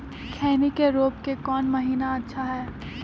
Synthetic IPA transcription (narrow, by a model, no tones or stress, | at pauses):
kʰɛːnikeɾoːpkekɔːnmɐɦiːnaɐtːʃʰaɦɛː